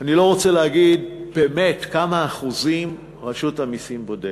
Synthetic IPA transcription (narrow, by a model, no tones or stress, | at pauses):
anilo̞ʁo̞t͡seleaɡidb̥e̞ːme̞tkamaːχuzim | ʁaʃutamisimbo̞de